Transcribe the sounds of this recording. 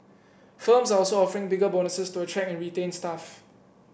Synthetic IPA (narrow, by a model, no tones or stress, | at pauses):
fəmsaɔlsoɔfəɹɪ̃ŋbɪɡəbonəsəstuətʰɹɛkɛ̃nɹitẽnstaf